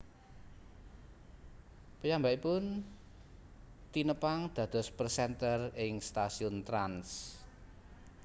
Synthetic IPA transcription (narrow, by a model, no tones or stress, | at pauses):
pəjambaʔipʊn | t̪inəpaŋd̪̥ä̤d̪̥ɔ̤spərsɛnt̪ərɪŋst̪asiʊnt̪ɾans